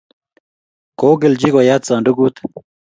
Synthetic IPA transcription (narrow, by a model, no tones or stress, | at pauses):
koːɡeld͡ʑikojat̪t͡saːɳɖuɡut̪